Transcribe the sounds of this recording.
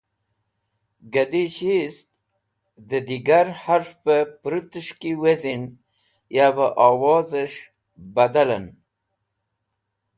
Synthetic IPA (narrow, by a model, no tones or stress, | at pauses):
ɡad̪iɕis | d̪əd̪iɡaɾhaɾfpəpɾut̪əʂkiwezin | jabəʔaːwɑːzəʂ | bad̪alən